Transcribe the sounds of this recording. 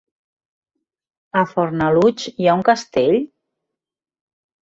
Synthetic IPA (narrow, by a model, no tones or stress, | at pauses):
əfoɾnalut͡ʃjauŋkast̪eʎ